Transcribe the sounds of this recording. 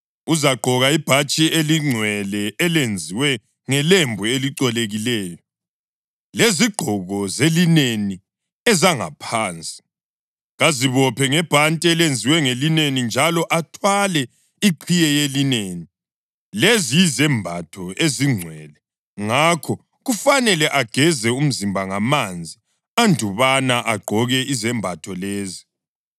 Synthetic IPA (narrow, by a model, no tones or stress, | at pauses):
uzaɡ͡ǃʱɔɣaib̥ʱat͡ʃʼieliŋ͡ǀʱwɛlɛːlend͡zʱiwɛ | ŋɛlembʱueliǀɛleɣilɛːjɔ | leziɡ͡ǃʱɔɣɔzelineni | ɛzaŋa̰pʰaːnt͡sʼi̥ | ɣaziβɔpʰɛŋɛb̥ʱantʼiɛlend͡zʱiwɛŋelinenind͡ʒʱalɔʔatʰwalɛ | iǃʰijɛjelineːni | lezijizɛmbʱatʰɔeziŋ͡ǀʱwɛlɛ | ŋakʰɔ | ɣufanɛlɛʔaɡ̥ʱɛzɛum̩zimbʱaŋamand͡zʱi | andʱuβanaʔaɡ͡ǃʱɔɣɛizɛmbʱatʰɔleːzi